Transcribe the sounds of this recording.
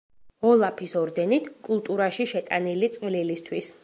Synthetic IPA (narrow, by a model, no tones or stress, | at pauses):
ɔlˠapʰisɔɾd̪ɛnit̪ʰkʼulˠt̪ʼuɾaʃiʃɛt̪ʼanilit̪sʼvlilist̪ʰwis